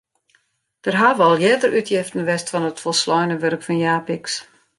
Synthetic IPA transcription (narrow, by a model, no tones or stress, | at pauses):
d̥ərɦaʋɔlˠjɛdərʔytʰjɪftn̩ʋɛstfɔnətfɔlˠslɔjnəʋørkfɔnjaːpiks